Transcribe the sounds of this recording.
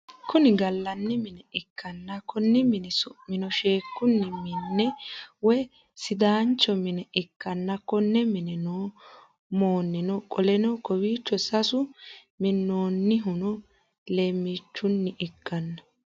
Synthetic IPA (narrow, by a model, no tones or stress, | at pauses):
kʊnɪɡɐlːɐnːɪmɪnɛɪkʰːɐnːɐkːɔnːɪmɪnɪsɔmɪnɔʃeːkːʊnːɪmɪnːɛwɛ | sɪd̪aːnt͡ʃːɔmɪnɛɪkːɐnːɐkːɔnːɛmɪnɛnoː | moːnːɪnɔkʼɔlɛnɔkɔwiːt͡ʃːɔsɐsʊ | mɪnːoːnːɪɦʊnɔ | leːmːiːt͡ʃːʊnːɪʔɪkːɐnːɐ